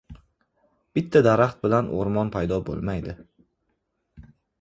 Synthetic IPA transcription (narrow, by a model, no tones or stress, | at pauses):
b̥ɪt̪ʰːad̪aɾaχt̪̚bɪlanʔo̰ɾmɒnpʰajd̪ɒbo̰lˠmajd̪ɪ